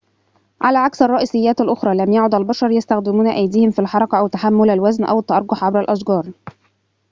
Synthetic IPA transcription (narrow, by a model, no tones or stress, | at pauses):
ʕalæːʕaksɑrˤːɑʔiːsɪjːæːt̪ælʔʊxɾˤɑːlæmjaʕʊd̪ælbɑʃɑɾˤjast̪æxd̪ɪmuːnæʔæjd̪iːhɪmfilħɑɾˤɑkɑʔæwt̪aħamːʊlælwæznʔæ̰wɪt̪ːɑʔɑɾˤɡʊħʕabɾælʔɑʃɡɑːɾˤ